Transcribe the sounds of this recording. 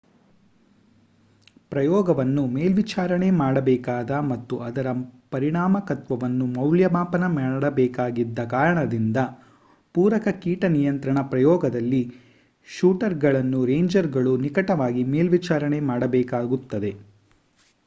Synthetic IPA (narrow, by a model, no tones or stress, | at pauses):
pɾɐjɔːɡɐʋɐnːumeːlʋit͡ʃaːɾɐɳe̞maːɽɐbɛːkaːd̪ɐmɐt̪ːuʔɐd̪ɐɾɐpɐɾiɳaːmɐkɐt̪ʋɐʋɐnːumɐwljɐmaːpɐnɐmɐɽɐbɛːkaːɡid̪ːɐkaːɾɐɳɐd̪ind̪ɐ | puːɾɐkɐkiːʈɐnijɐnt̪ɾɐɳɐpɾɐjɔːɡɐd̪ɐlːi | ʃuːʈɐɾɡɐɭɐnːuɾeːjɲd͡ʒɐɾɡɐɭunikɐʈɐʋaːɡimeːlʋit͡ʃaːɾɐɳemaːɽɐbɛːkaːɡut̪ːɐd̪e̞